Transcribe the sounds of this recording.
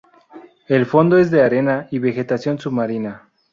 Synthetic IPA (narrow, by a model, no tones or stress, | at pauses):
e̞lfo̞nd̪oe̞zðe̞aɾe̞naiβe̞xe̞t̪asjo̞nsuβmaɾina